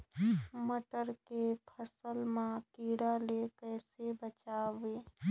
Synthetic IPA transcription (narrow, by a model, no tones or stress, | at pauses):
məʈəɾkepʰəsəlmãkiːɽalekɛːsebət͡ʃaːweː